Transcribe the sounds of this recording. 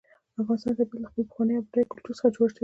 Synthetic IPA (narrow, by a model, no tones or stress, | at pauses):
afɣɑnst̪ɑnd̪abelaxpəlpə̥xwɑnəjapd̪ekʊlt̪uɾsə̥xad͡ʒoɽʃe